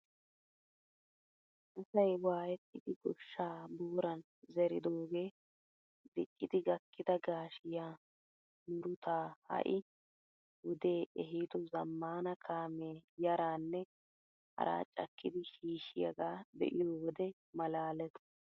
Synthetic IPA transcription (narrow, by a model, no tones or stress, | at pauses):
ʔɐsɐjwaːjɛt̪ːɪd̪ɪɡɔʃːaːbuːɾɐn | zɛɾɪd̪oːɡe̞ː | d̪ɪkʼːɪd̪ɪɡɐkːɪd̪ɐɡaːʃɪjaː | mʊɾʊt̪ʰaːhɐ̰ʔɪ | wʊd̪e̞ːʔɛɦiːt̪ɔzɐmːaːnɐkʰaːmeːjɐɾaːnːɛ | hɐ̰ɾa̰ːt͡ʃʼːɐkːɪd̪ɪʃiːʃɪjɐɡaːb̪ɛ̰ʔɪjoːwɔd̪ɛ | mɐlaːlɛt̪ɔ̥